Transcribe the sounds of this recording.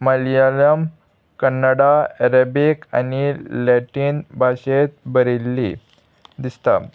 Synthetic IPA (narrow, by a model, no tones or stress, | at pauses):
məlijaləm | kənːəɽaeɾebika̰nileʈiːnbʱaɕet̪̚bəɾilːi | d̪ist̪a̰